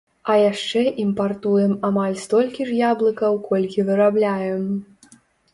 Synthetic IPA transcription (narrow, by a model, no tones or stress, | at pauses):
ɐjaʂt͡ʂɛʔimpart̪ujɛmamalʲst̪ɔlʲkʲiʐjablˠɨkɐwkʰɔlʲkʲivɨɾablʲajɛm